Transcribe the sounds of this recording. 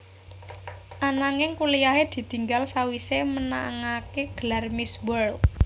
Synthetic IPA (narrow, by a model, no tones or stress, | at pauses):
ʔanaŋɪŋkulijaɦed̪̥i̤t̪iŋɡalsawiseməna̰ŋakeɡ̥əlarmiswər